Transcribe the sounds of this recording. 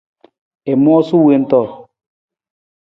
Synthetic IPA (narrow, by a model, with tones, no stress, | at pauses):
e˨m˦ɔ˦su˦we˦˨n̩˦tɔ˦˨